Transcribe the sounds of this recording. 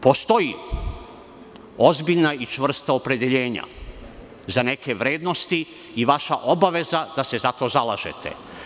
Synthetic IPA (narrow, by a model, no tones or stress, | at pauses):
po̞st̪o̞ji | o̞zbiʎnait͡ʃʋr̩st̪aopɾe̞d̪eʎe̞ːɲa̰ | zane̞ke̞ʋɾe̞ːd̪no̞st̪i | iʋaʃaʔo̞baʋe̞zad̪̥ase̞zat̪o̞ːzalˠaʒe̞̰t̪ʰe̞̰